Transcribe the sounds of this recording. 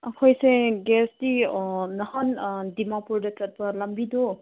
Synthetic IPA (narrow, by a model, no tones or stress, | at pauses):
ɐkʰojseɡɛsdinɐhandimapuɾdɐt͡ʃɐt̚pɐlɐmbidɔ